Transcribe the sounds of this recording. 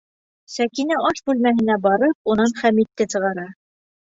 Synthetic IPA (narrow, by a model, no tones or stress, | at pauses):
sækinæɑʃbʉlmæhɘ̆næbɑɾɤp̚unɑnχæmit̪ːɘsɤ̆ʁɑɾɑ